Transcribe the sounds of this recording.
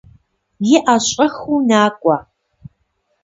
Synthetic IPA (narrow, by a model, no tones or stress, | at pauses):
jɪʔaɕʼɐxuːnaːkʷʼɐ